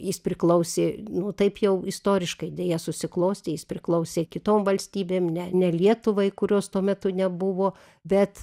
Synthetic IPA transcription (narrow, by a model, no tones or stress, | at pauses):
jɪspʲɾʲɪklˠɐʊsʲeːnʊt̪ɐɪpjɛʊɪst̪oːɾʲɪʃkɐɪd̪ʲeːjɛsʊsʲɪklˠoːsʲt̪ʲɪjɪspʲɾʲɪklˠɐʊsʲeːkʲɪt̪oːmʋɐlʲsʲt̪ʲiːbʲeːmnʲɛnʲɛlʲiɛt̪ʊʋɐɪkʊɾʲoːst̪uɔmʲɛt̪ʊnʲɛbʊʋoː | bʲɛt̪